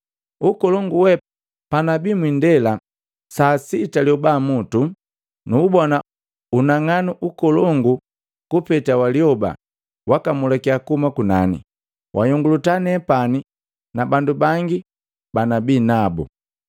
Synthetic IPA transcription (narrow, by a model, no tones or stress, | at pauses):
ukɔlɔŋɡuwɛ | panabimwindɛla | saːsitaljɔbamutu | nuːbɔna | unaŋanuʔukɔlɔŋɡu | kupɛtawaliɔba̰ | wakamulakiakumakuna̰nḭ | wʔajɔŋɡulutanɛpani | nabandubaŋɡi | banabiːnabṵ